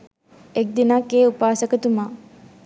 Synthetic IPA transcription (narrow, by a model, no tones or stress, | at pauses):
ek̚d̪inakːeːupaːsəkət̪umaː